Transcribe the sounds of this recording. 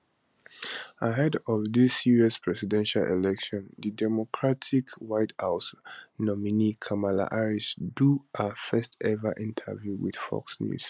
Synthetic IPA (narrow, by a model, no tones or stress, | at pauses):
əɦɛdɔvðisiɹiɔspʰɹɛsidɛ̃nʃalʔɛ̰lɛkʃɔ̃ndidɛmɔkʰɹatʰikwaɪthaʊsnɔminikʰamala̰ʔaɹisduəfɜstɛvəʔĩntʰə̰vjuwḭð̥fɔ̰ksnjṵs